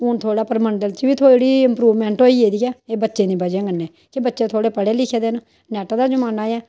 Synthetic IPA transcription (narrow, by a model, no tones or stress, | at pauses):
uːnt̪ʰoːɽaːpəɾməɳɖəlt͡ʃʋiːt̪ʰoːɽiːɪmpɾuːʋmɛ̃ːɳʈoːiːeːd̪iːɛːeːbətːʃẽːd̪iːbəd͡ʒẽːɡənːɛː | kebətːʃẽːt̪ʰoːɽeːpəɽeːlɪkʰːeːd̪eːn | nɛːʈaːd̪aːd͡ʒəmaːnaːjɛː